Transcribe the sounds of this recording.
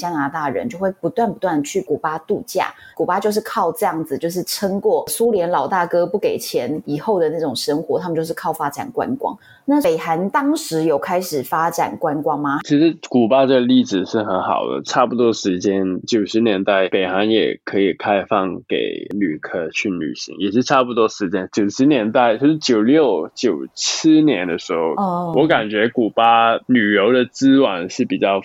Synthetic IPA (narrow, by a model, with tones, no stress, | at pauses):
t͡ɕja˥na˧˥t̪a˥˩ɻə̰˧˦nt͡ɕjo˥˧ʊxwe˥˩ɪpu˧˦˥t̪wa˥˩npu˧t̪wa˥˩nd̪ə˩t͡ɕʰy˥˩ku˨˩pa˥t̪u˥˧t͡ɕja̰˥˩ | ku˨˩pa˥t͡ɕjo˥˧ʊʂ̬ɻ̩˥˧kʰɑ˥˧ʊʈ͡ʂɤ˥˧jɑ˥˩ŋd͡zɹ̩˨˩t͡ɕjo˥˧ʊʂ̬ɻ̩˥˩ʈ͡ʂʰə˥ŋkwɔ˥˩su˥ljɛ˧˥nlɑ˨˩ʊt̪a˥˩kɤ˥pu˥˩ke˨˩ɪt͡ɕʰjɛ˧˦˥ni˨˩xo˥˩ʊd̪ə˩na˥˩ʈ͡ʂʊ˨˩ŋʂə˥ŋxwɔ˧˥˦t̪ʰa˥mə˨t͡ɕo˥˧ʊʂ̩˥˧kʰɑ˥˩ʊfa˥ʈ͡ʂa̰˨˩nkwa̰˦nkwɑ̰˥ŋ | na˥˩e˨˩ɪxa˧˦˥nt̪ɑ˥ŋʂɻ̩˧˥jo˨˩ʊkʰa˥ɪʂɻ̩˨˩fa˥ʈ͡ʂa̰˨˩nkwa˥nkwɑ˥ŋma˨t͡ɕʰi˧˥ʂɻ̩˧˥ku˨˩pa˥ʈ͡ʂə˥˩ɡə˨˧li˥˩ɻ̩˨ʂɻ̩˥˩xə˧˥nxɑ̰˨˩ʊd̪ə̰˦ʈ͡ʂʰa˥˩pu˨˩t̪wɔ˥ʂɻ̩˧˥t͡ɕjɛ˥nt͡ɕjo˨˩ʊʂɻ̩˧˥njɛ˧˥nt̪a˥˩ɪpe˨˩ɪxa˧˥njɛ̰˨˩kʰɤ˧˥i˨˩kʰa˥ɪfɑ˥˧˩ŋkḛ˨˩ɪny˨˩kʰɤ˥t͡ɕʰy˥˩ny̰˨˩ɕḭ˧˥ŋjɛ˨˩ʂɻ̩˥˧ʈ͡ʂʰa˥˧pu˨˩t̪wɔ˥ʂɻ̩˧˥t͡ɕjɛ˥nt͡ɕjo˨˩ʊʂɻ̩˧˥njɛ˧˥nt̪a˥˩ɪt͡ɕʰo˧˥ʂɻ̩˥˩t͡ɕjo˨˩ʊljo˥˩ʊt͡ɕjo˨˩ʊt͡ɕ̩ʰ˥njɛ˧˥nd̪ə˧ʂɻ̩˧˥xo˥˧ʊwʔɔ˧˥ka˨˩nt͡ɕɥɛ˧˥ku˨˩pa˥ny˨˩jo˧˥ʊd̪ə˨t͡sɹ̩˥wɑ˨˩nʂɻ̩˥˩pi˨˩t͡ɕjɑ˥˩ʊ